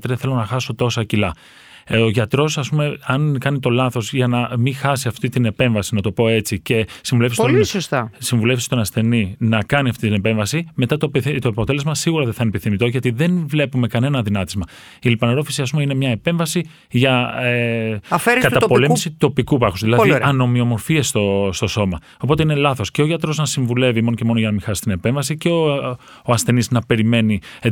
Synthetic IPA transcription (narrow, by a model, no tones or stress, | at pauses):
t̪ɾθe̞lo̞nɐxɐso̞t̪o̞sɐcilɐ | oʝɐt̪ɾo̞sɐspume̞ɐnkɐnit̪o̞lɐθo̞zʝɐnɐmixɐsiɐft̪it̪ine̞pe̞ɱvɐsinɐt̪o̞po̞e̞t͡sice̞siɱvulefsolsost̪ɐsiɱvule̞fst̪onɐsθe̞ninɐkɐniɐft̪it̪inepe̞ɱvɐsime̞t̪ɐt̪opt̪oɐpo̞t̪e̞le̞zmɐsiɣuɾɐðeθɐinepiθimit̪o̞ʝɐt̪iðe̞nvle̞pume̞kɐne̞nɐðinɐt̪izmɐ | ilipɐneɾo̞fisiɐs̬pumeine̞mɲɐepe̞ɱvɐsi | ʝɐefeɾkɐt̪ɐtpo̞le̞misit̪o̞pikupɐxuzðilɐðiɐno̞mio̞mo̞ɾfiest̪ost̪o̞so̞mɐ | o̞po̞t̪e̞ine̞lɐθo̞sceoʝɐt̪ɾo̞znɐsiɱvule̞vimo̞noce̞mo̞no̞ʝɐnɐmixɐsi̥t̪ine̞pe̞ɱvɐsiceo | ɐsθe̞niznɐpe̞ɾime̞ni